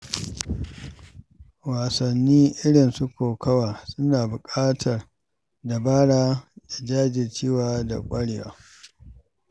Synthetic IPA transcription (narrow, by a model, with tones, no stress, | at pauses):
waː˨sɐ˨nːiː˦ʔɪ˦ɽɪ˨nsu˦kʷoː˨kɐ˦waː˨sʊ˦naː˨bʊ˨kʼaː˦tʰɐ˨r | da˨baː˦ɽaː˦da˨d͡ʒaː˦d͡ʒɪ˨t͡ʃeː˦waː˨da̰˨kʷʼɐ˦ɽe˨wa̰ː˨